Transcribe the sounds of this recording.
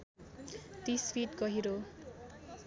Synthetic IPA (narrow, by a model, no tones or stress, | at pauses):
t̪isfʰiʈɡʌɦiɾo